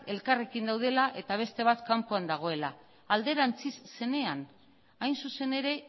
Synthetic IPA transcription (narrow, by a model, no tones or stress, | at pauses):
e̞lkare̞kind̪awð̞e̞laʔe̞t̪aβ̞e̞st̪e̞β̞at̪kampoand̪aɣ̞o̞e̞la | ald̪e̞ɾant͡sisːe̞ne̞an | ajnsuse̞ne̞ɾe̞